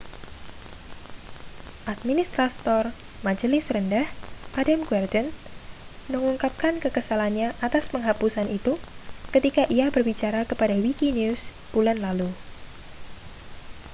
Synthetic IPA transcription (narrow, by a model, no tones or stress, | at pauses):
ʔat̪̚minist̪ɾat̪ɔr | mad͡ʒəlɪsɾəndahʔadamɡuɛrdən | məŋuŋkap̚kankəkəsalanɲaʔat̪aspəŋɦapusanit̪ukət̪ikaʔiabərbit͡ʃaɾakəpadawikinis | b̥ulanlalu